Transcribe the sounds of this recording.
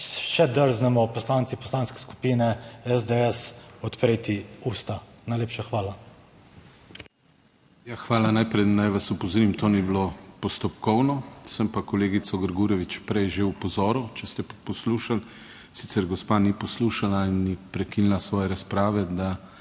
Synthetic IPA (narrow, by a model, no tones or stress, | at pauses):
ʃɛd̪əɾznɛmɔpɔslaːnt̪ipɔ̥slaːnskɛ̥sku̥piːnɛɛzd̪eɛsɔt̪pɾeːt̪iust̪anajleːpʃaxʋaːla | jaxʋaːlanajpɾɛjnajʋasupozoɾimt̪oːnibilopɔst̪ɔpkɔwnɔsəmpakɔleːɡit̪sɔɡəɾɡuːɾjɛʋit͡ʃpɾɛjʒewpɔzɔːɾut͡ʃɛst̪ɛpɔsluːʃal | sit̪sɛɾɡɔspaːnipɔsluːʃalainːipɾɛkinilasʋɔːjɛɾaspɾaːʋɛd̪a